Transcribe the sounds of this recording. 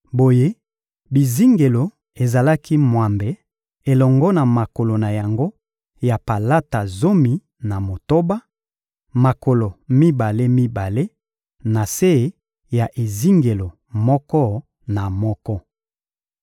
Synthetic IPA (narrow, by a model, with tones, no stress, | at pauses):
bo˨je˦ | bi˨zi˦ŋɡe˨lo˨ | e˨za˨la˦ki˦mwa˨mbe˨ | e˨lɔ˨ŋɡɔ˦na˨ma˨ko˨lo˨na˨ja˨ŋɡo˦ | ja˨pa˨la˦ta˨zo˦mi˨ | na˨mo˨to˦ba˦ | ma˨ko˨lo˨mi˦ba˨le˦mi˦ba˨le˦ | na˨se˦˨˦ | ja˨ʔe˨zi˦ŋɡe˨lo˨ | mɔ˦kɔ˦ | na˨mɔ˦kɔ˦